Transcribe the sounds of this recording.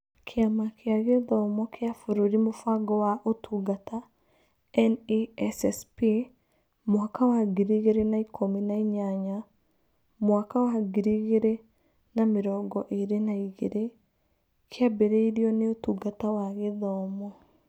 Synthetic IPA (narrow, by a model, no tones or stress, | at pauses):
kʰeamakeaɣeðɔmɔkeafoɾoɾimofaɡɔwaʔotuɡata | ɛniɛsɛspi | mwakawaɡiɾeɣeɾenaikʰominaiɲaɲa | mwakawaɡiɾeɣeɾe | nameɾɔɡɔʔeɾenaiɣeɾe | keabeɾeiɾiɔneotuɡatawaɣeðɔmɔ